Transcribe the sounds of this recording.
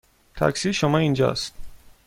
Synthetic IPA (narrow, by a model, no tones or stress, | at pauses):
t̪ʰæ̰ksiːʃomɒːind͡ʒɒ̰ːst̪